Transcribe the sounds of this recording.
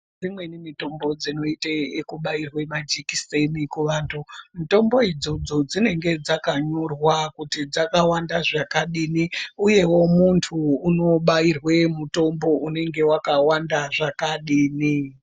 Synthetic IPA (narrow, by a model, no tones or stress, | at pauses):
d͡zimwe̞nimito̞mbo̞d͡zino̞itaekuɓairwemad͡ʒikisenikuʋaːntʰumito̞mbo̞id͡zo̞d͡zo̞d͡zine̞ŋɡe̞d͡zakaɲo̞rwakutid͡zakawandaʐakaɗiniuje̞wo̞muntʰuːno̞ɓairwe̞muto̞mbo̞ʔune̞ŋɡe̞wakawandaʐakaɗiːni